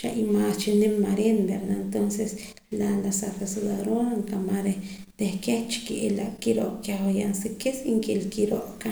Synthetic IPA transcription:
ʃa̰ʔimast͡ʃinemːaɾenbeɾd̪aent̪onses | lalasafasud̪aɾonaŋkamaɾe | t̪ehkeht͡ʃkeʔelaʔkiɾo̰ʔkjahwajansekesiŋkelkiɾoʔka

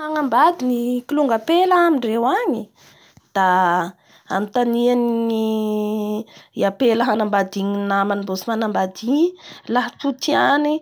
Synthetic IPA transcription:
aŋambad̪inikiluŋɡapelaamiɳɖ͡ʐewaɲi | d̪̥a | a̰mint̪anianii | iapeləɦanambad̪iɲinamanibosimanambad̪iɲilaɦaʈ͡ʂut̪iani

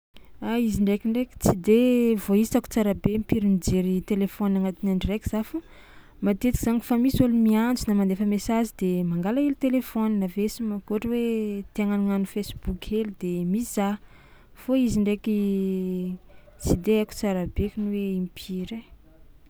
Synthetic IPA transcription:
aiziɳɖ͡ʐekiɳɖ͡ʐeki̥t͡sid̪evoit͡saku̥t͡saɾabempiɾinid͡ʒeɾit̪elefɔnaŋat̪inaɳɖ͡ʐireki̥z̥afu | mat̪et̪ikizaŋifamisulumiand͡zunamand̪efəmesazid̪̥emaŋɡalaelit̪elefoninavesimakoʈ͡ʂəwet̪eaŋaniŋanufesib̥ukʲʰelid̪emisa | foiziɳɖ͡ʐeki | t͡sid̪eaku̥t͡saɾabekʲinuweimpʰiɾe

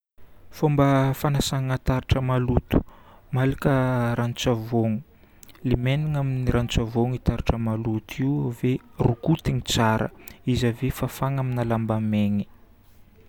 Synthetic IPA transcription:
fombəfanasaŋŋat̪aɾiʈ͡ʂəmalut̪u̥malikəɾanut͡savoŋu | limeniŋaminiɾant͡savoŋit̪aɾiʈ͡ʂəmalut̪ʰiwverukut̪iŋit͡saɾʔə̰izavefafaŋaminalambameŋi̥

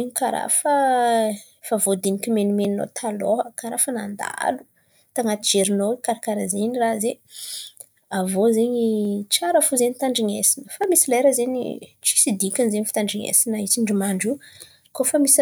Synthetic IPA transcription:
eɲikaɾa̰fə | favod̪enikʲimenumenino̰t̪ʰaloɦəkaɾafanand̪a̰lu̥ | t̪aŋat̪id͡ʒeɾinowekaɾakaɾazeɲiraze | avozeɲit͡ʃaɾəfuzeɲit̪aɳɖ͡ʐiŋesinəfamisilajɾazeɲḭt͡ʃi̥sid̪ikʲanizeɲifi̥t̪aɳɖ͡ʐiŋḛsinəit͡siɳɖ͡ʐimaɳɖ͡ʐu | kofəmisi

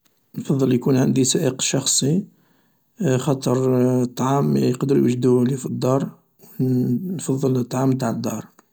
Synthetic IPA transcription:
nfɑðˤːəljkunʕand̪isæʔəqʃɑxsˤi | xɑt̪ˤəɾˤt̪ˤːʕɑmjqd̪əɾwəʒd̪ulifid̪ːɑɾˤ | wnfɑðˤːələt̪ˤːʕɑmːt̪aʕəd̪ːɑ̰ɾˤ

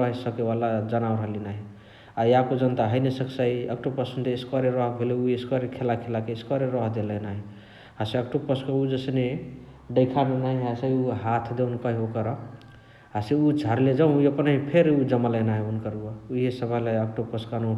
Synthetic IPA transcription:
ʌɦisʌkewalad͡ʒənaw̃ɾəɦlinaɦi | ajakod͡ʒʌnt̪aɦəjnesəksaiə̰k̚ʈopəsənd̪eːskaɾeɾɔɦbʱeleueskɔɾekʰelakʰelakeːskɔɾeɾɔɦd̪elənaɦi | ɦaseəkʈopəskəud͡ʒəsne | ɖəɪkʰanunaɦĩɦasəjuɦat̪ʰd̪eʊnkʌɦiɦokʌɾʌ | ɦaseud͡ʒʱaɾled͡ʒãjepənaɦipʰeɾud͡ʒʌmalənaɦiunkəɾuouɦesəbʱəlaək̚ʈopəskano

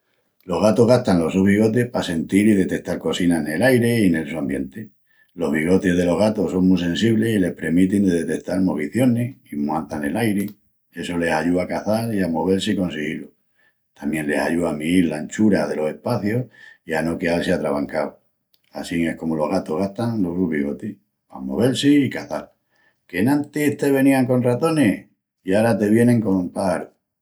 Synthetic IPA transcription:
lo̞ɦɣ̞at̪o̞ɦɣaht̪anlo̞suββiɣ̞o̞t̪̬ehpase̞nt̪iɾiðe̞t̪e̞k̚t̪aɾko̞sinane̞lajɾe̞ine̞lsuambje̞nt̪e̞ | lo̞ɦβiɣ̞o̞t̪e̞ɦðe̞lo̞ɦɣat̪o̞so̞ŋmus̬ẽ̞nsiβle̞sile̞hpɾe̞mit̪ind̪eðe̞t̪e̞k̚t̪almo̞β̞iθjo̞ne̞himwant̪ane̞lajɾe | e̞so̞le̞saʎuakaθaɾiamo̞β̞e̞ɾseiko̞nsiɣilo | t̪amjẽ̞nle̞saʝuamiiɾlaent͡ʃuɾað̞e̞lo̞se̞hpaθjo̞hiano̞keaseat̪ɾaβaŋkaw | a̰siŋe̞hko̞molo̞ɣat̪o̞ɦɣaht̪aŋloruβiɣot̪i | a̰mo̞̰βe̞lseikaθal | ke̞nãnt̪eht̪e̞βe̞niaŋko̞nrat̪o̞ne̞ | iaɾat̪e̞βje̞nẽ̞ŋko̞mpaaɾo

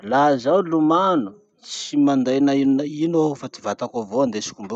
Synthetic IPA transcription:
lazawlumanu | t͡simand̪ajnaininofat̪ivat̪akovoand̪esi̥kumbu

